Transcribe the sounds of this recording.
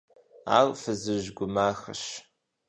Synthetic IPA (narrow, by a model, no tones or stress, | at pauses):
a̰ːrʼfɨzɨʒɡʷʊmaːxə̰ʃ